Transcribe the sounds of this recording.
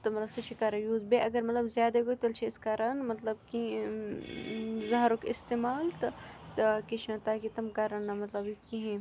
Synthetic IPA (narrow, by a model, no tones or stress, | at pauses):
t̪ɐmɐt̪lbsɐt͡ʃʰikaːɾɐjuːzbeʔɐɡɐɾmɐt̪lɐbzjaːd̪ɐɡot̪ɐlt͡ʃʰeɪskaɾɐnmɐt̪lɐbki | zɐɦɾokɪst̪eːmaːlt̪ɐt̪keʃʰɐ̃t̪aːkit̪ɐmkaɾɐnːɐmɐt̪lɐbikiɦẽ